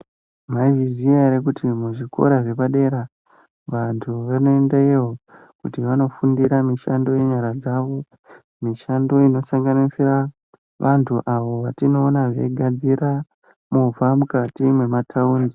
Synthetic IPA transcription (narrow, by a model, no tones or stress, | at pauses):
maiviziaɾek̬utimuʐiko̞̰ɾaʐe̞paɗe̞ɾa | ʋantʰuʋano̞endaiʋo | kutiʋano̞fundiɾamiʃando̞je̞ɲaɾad͡zaʋo̞ | miʃando̞ino̞saŋɡanisira | ʋʔantʰuʔaʋo̞ʋatino̞ːnaʐe̞̰ɡʱad͡ziɾa | muvamukatimwe̞matʰauːndi